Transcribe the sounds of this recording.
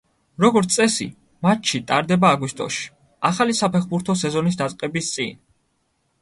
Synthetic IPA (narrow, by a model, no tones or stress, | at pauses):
ɾɔɡɔɾt̪sʼɛsḭ | mat̪ʃit̪ʼaɾd̪ɛbaːɡwist̪ʼɔ̰ʃi̥ | aχalisapʰɛχbuɾt̪ʰɔsɛzɔnis̬d̪at̪sʼqʼɛbist̪sʼḭn